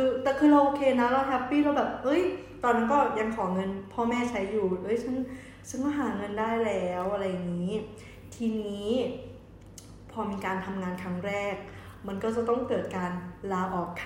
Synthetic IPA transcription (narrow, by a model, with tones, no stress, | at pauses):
kɯː˧t̪ɛː˨˩kʰɯː˧ɾa˧wʔoː˧kʰeː˧na˦˥la˧˦˥kʰɛ˦˥pːiː˥˩ɾa˧wbɛː˨˩p̚ʔɤ˦˥j | t̪ɔː˧nːa˦˥nkɔː˥˩ja˧ŋkʰɔː˩˦ŋɤ˧npʰɔː˥˩mɛː˥˩t͡ɕʰa˦˥jːuː˨˩ʔɤ˦˥˩jt͡ɕʰa˦˥n | sʰɯ˦˥˩ŋkɔː˥˩ɦaː˩˦ŋɤ˧ndaː˥˩jlɛː˦˥wʔa˧ɾa˧jːa˨˩ŋiː˦˥ | t̪ʰiː˧niː˦˥ | pʰɔː˧miː˧kaː˧nt̪ʰa˧mŋaː˧nkʰa˦˥ŋɾɛː˥˩k̚ | ma˧nkɔː˥˩t͡ɕa˨˩t̪ɔ˥˩ŋkɤː˨˩t̪̚kaː˧nlaː˧ʔɔː˨˩kʰː